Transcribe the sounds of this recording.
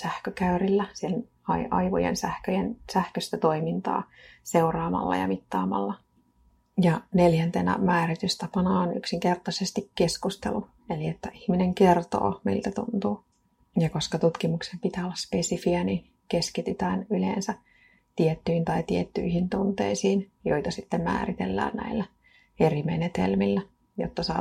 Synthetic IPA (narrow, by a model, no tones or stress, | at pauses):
sæhkøkæyrilːæsieln | ɑ̰iʔɑ̰iʋo̰jḛnsæhkøjensæhkøst̪æt̪oimint̪ɑ̰ːseurɑːmɑ̰lːɑ̰jɑ̰mit̪ːɑːmɑ̰lːɑ | jɑneljænt̪enæ̰mæːrit̪yst̪æpɑnɑːny̰ksiŋkert̪ɑsest̪ikkeskust̪ḛlu | eliet̪ːæʔihmineŋkert̪o̰ːmḭlt̪æt̪ṵnt̪uː | jɑkoskɑt̪ut̪kimuksempit̪æːolːɑspesifiænin | keskit̪yt̪æːnylḛːnsæ | t̪iet̪ːyint̪ɑit̪iet̪ːy̰ihint̪unt̪ḛisiːnjoit̪ɑsit̪ːemmæ̰ːrit̪ḛlːæ̰ːnnæ̰ilːæ | erimenet̪ḛlmilːæ | jo̰t̪ːɑsɑ̰ː